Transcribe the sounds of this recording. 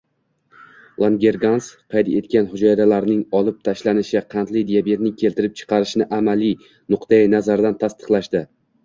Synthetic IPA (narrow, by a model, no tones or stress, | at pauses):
lˠanɡʲe̞ɾɡansqʰɑjd̪e̞̰t̪kʲanhʊd͡ʒɒjɾalaɾnɪŋɒlˠɪp̚t̪ʰaʃlanɪʃɪqʰɑnt̪lɪjd̪ijabe̞t̪̚nɪŋkʲʰe̞lt̪ɪɾɪp̚t͡ʃʰɨ̥qɑɾɪʃnɪʔamalɪ | nʊqt̪ʰajanazaɾd̪ant̪ʰast̪ʰɨ̥qlˠaʃd̪ɪ